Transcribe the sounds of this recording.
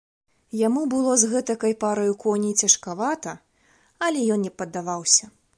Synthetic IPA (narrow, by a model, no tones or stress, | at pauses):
jamubɨlˠɔzɣɛt̪ɐkɐjpaɾɐjukɔnʲit͡sʲɐʂkavat̪ɐ | ɐlʲɛjɔnnʲɛpɐd̪ːavawsʲɐ